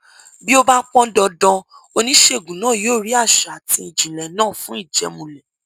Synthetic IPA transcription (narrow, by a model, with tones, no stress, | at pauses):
bi˦o˦ba˦k͡pɔ̃˦dɔ˧dɔ̃˧ | o˧nĩ˦ʃe˧˨ɡũ˨nãː˦˨joː˦˨ɾi˦a˦˨ʃa˨a˨tĩ˧i˨d͡ʒĩ˨lɛ˨nãː˦˨fũ˦i˦˨d͡ʒɛ̰˧mũ˨lɛ˨